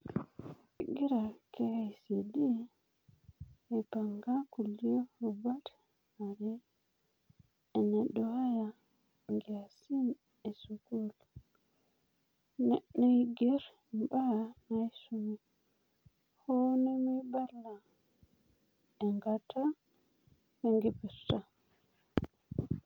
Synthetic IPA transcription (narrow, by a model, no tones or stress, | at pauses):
ɛɡiɾakɛhajsedi | paŋɡakulːijɔubat | aɾɛ | ɛnaɗɔhaja | ŋɡɛasin | ɛsukul | nɛ̰ɗːajɡɛɾ | banajsumi | hɔnɛmibalːa | ɛŋɡata | hɛŋɡɛpɛɾta